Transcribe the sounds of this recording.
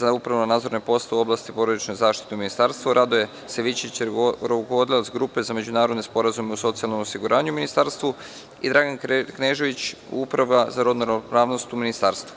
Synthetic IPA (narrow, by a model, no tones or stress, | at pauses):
zaupɾaʋunanaːd̪zo̞ɾnepo̞st̪euo̞blast̪ipo̞ɾod̪it͡ʃnoɡzaːʃt̪i̥t̪euminist̪aɾst̪ʋuɾʔad̪oje̞ | seʋit͡ɕit͡ɕɾokoʋod̪ilot̪sɡɾupe̞zame̞d͡ʑunaːɾod̪nespo̞ɾazume̞uso̞t̪sialˠnomosiɡuɾʔaːɲuminist̪aɾst̪ʋu | id̪ɾaɡankneʒe̞ʋit͡ɕ | upɾaʋazaɾo̞d̪nuɾpɾaːʋno̞st̪uminist̪aːɾst̪u̥